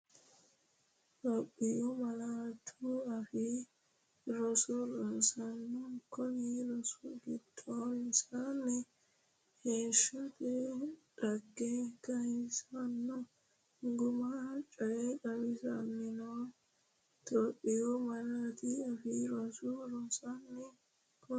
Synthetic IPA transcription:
t̪ʼɔpʼːɪjɔmɐlat̪ʰʊɐfɪ | ɾɔsɔɾɐsɐnːɔkʰɔniɾɔsɔɡɪt̪ʰʼːɔɪnsanːɛ | heːʃɐt̪ɛᶑɐɡːɛkɐhɪsɐnːɔ | ŋɡʊmat͡ʃʼɐjɛkʼɐwɪsɐmːɪnɔ | t̪ʼɔpʼːɪjɔmɐlaːt̪ɪɐfɪɾɔsʊɾɔsɐnːɛ | kɔ

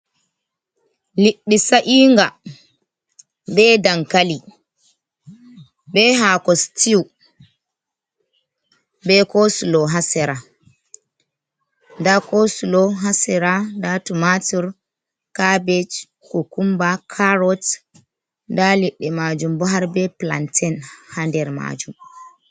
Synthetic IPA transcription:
liɗːisaʔiːŋɡa | bɛdaŋkali | bɛɦakɔstiw | bɛkosulɔɦasɛɾa | ndakosulɔɦasɛɾadatumatiɾ | kabɛt͡ʃ | kɔkumbakʰaɾɔt | daliɗːɛmad͡ʒumbɔɦaɾbɛpla̰ntʰɛnhandɛɾma̰d͡ʒum

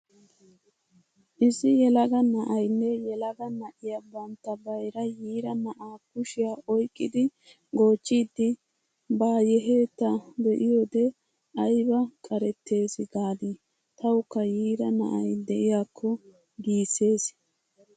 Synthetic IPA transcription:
ʔɪsɪjɛlɐɡɐnɐʔɐjnːɛjɛlɐɡɐnɐʔɪjabɐnt̪ːɐbɐjɾɐjiːɾɐnɐʔaːkʊʃɪjaːʔɔjkʼːɪd̪ɪ | ɡo̞ːt͡ʃːiːd̪ːɪ | baːjɛɦe̞ːt̪ːɐd̪ɛʔɪjoːd̪ɛ | ɐjbɐkʼɐɾɛt̪ːe̞ːsɪɡaːd̪i | t̪ɐwʊkːɐjiːɾɐnɐ̰ʔɐ̰jd̪ɛʔɪjaːkʰːɔ | ɡiːsːe̞ːs

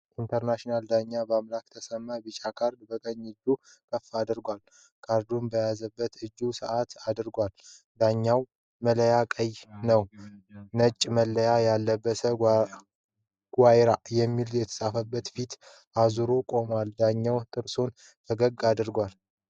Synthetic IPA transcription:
ʔint̪ʰəɾnaʃnald̪aɲːabəamlakt̪ʰəsəmːabɨt͡ʃʼakʰaɾd̪bəkʼəɲːɨd͡ʒːu | kʰʼəfːad̪ɨɾɡʷal | kʰʼaɾd̪umbəjazəbːət̪ɨd͡ʒːusəʔat̪ad̪ɨɾɡʷal | d̪aɲːaw | mələjakʼəjnəwnət͡ʃʼːməlːəjajalːəbːəsə | ɡʷajɾajɛmːiljɛt̪ʰə̥sʼafəbːət̪fit̪ | ʔazuɾo̞kʼo̞mwald̪aɲːawt̪ʼɨɾso̞n | fəɡəɡad̪ɨɾɡʷal

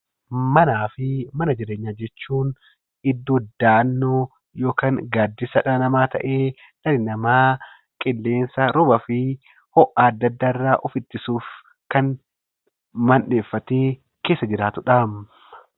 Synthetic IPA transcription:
mɐnaːfɪmɐnɐd͡ʒɪɾe̞ːɲːaːd͡ʒɛt͡ʃːuːn | ɪd̪ːuːd̪aːnːoː | jo̞ːkaːŋɡaːd̪ːɪsɐᶑɐnɐmaːt̪ɐ̰ʔeː | nɐlɪnɐmaː | kʼɪlːe̞ːnsɐɾɔbɐfɪ | hɔʔaːɐd̪ːɐd̪ːaːɪrːaːʔɔfɪt̪ːɪsuːf | kɐn | mɐnᶑe̞ːfːɐt̪eː | ke̞ːsːɐd͡ʒɪɾaːt̪ʊᶑaːmː | ɐ

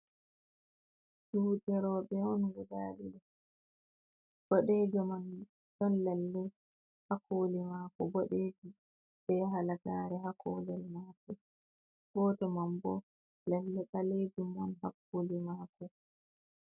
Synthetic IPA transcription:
suɗɛɾɔɓɛɔnwudaliɗɛ | b̥ɔɗed͡ʒɔman | ɗɔnlɛlːɛ | hakʰoːlimaːkɔbɔɗeːd͡ʒi | bɛɦalataɾɛhakɔ̰lɛlmaːkɔ | bɔtɔmambɔ | lɛlːɛɗaled͡ʒumːanhakːolimaːkɔ

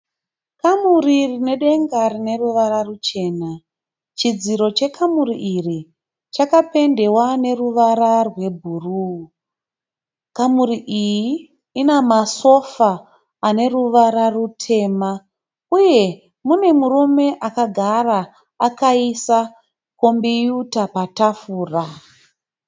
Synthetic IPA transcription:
kamuririne̞ɗe̞ŋɡarine̞ruʋaɾarut͡ʃe̞ːna | t͡ʃid͡ziɾo̞t͡ʃe̞kʰamuriʔiri | t͡ʃakape̞nde̞wane̞ruʋaɾarwe̞bʱuru | kamuriʔijiː | namaso̞faː | ne̞ruʋaɾarutʰe̞ːma | uje̞ | mune̞murume̞ʔakaɡʱaraː | kaisa | ko̞mbijutapatafuːra

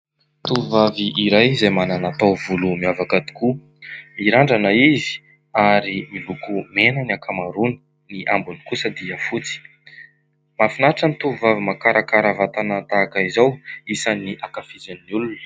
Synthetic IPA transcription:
t̪uvaviʔiɾajzajmananat̪owvulumiavakad̪i̥ku | iɾaɳɖ͡ʐanaizi̥ | aɾimilukumenaniakʰamaɾuni̥ | niʔambunikusəd̪iəfut͡si̥ | mafinaʈ͡ʂənit̪uvavimakaɾakaɾavat̪anat̪akaizawisaniʔakafizanːiulunə̥

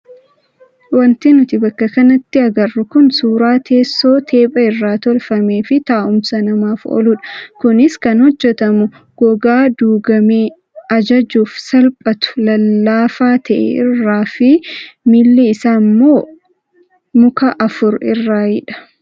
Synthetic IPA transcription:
wɐnt̪ɪnʊt̪ɪbɐkːɐkɐnɐt̪ːɪɐɡɐrːʊkʊnsuːɾaːt̪ʰe̞ːsːo̞ːt̪ʰe̞ːpʼɐɪrːaːt̪ɔlfɐmeːfɪt̪aːʔʊmsɐnɐmaːfɔ̰lʊᶑɐ̥kʊnɪskɐnhɔd͡ʒːɛt̪ɐmʊ | ɡ̥ɔɡaːd̪uːɡɐmeː | ɐd͡ʒɐd͡ʒuːfsɐlpʼɐt̪ʊ̥lɐlːaːfaːt̪ʰɐʔɛ̰ɪ̰rːaːfɪmɪlːɪɪsaːmːoː | mʊkɐʔɐfʊɾɪ̰rːaːjɪᶑɐ̥

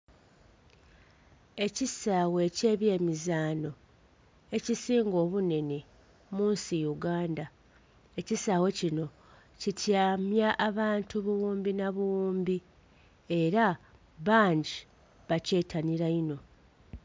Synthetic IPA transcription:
e̞cisaːwe̞ce̞ːβje̞ːmizaːno̞ | e̞cisiːŋɡo̞ːβune̞ne̞ | muːnsijuɡaːnda | ecisaːwe̞cino̞ | citʰjaːmjaʔːβaːntuβuwuːmbinaβuwuːmbi | e̞ɾa | βaːɲɟi | βace̞ːtʰaniɾaino̞

